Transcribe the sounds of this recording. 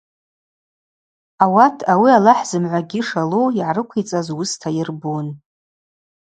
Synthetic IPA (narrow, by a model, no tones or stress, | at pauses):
awatʰawialaħz̥ɨmʕʷaɡʲiʂaloiʕaɾɨkʷʰit͡sʼazwʊstʰajɪrbon